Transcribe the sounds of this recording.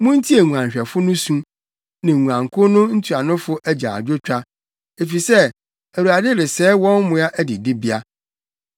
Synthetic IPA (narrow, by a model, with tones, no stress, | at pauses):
mʊ̃˦n̩˦tʰi˦e˨ŋu˨ã˨n˨ɕᶣɛ˨fʊ˦nʊ̃˦sũ˦ | nɪ̃˨ŋũ˨ã˨ŋ˨kʰʊ˦nʊ̃˦n̩˦tʰu˨a˨nʊ̃˦fʊ˦ʔæ˦d͡ʑa̰˨a̰˨d͡ʑᶣo˦t͡ɕᶣa˦ | e˨fi˨sɛ˦ | æ˨wu˨a˨dɪ˦ɾɪ˨sɛː˦wɔ̃˦n˦mʊ̃˦a˦ʔæ˦dɪ˨dɪ˦bi˦a˦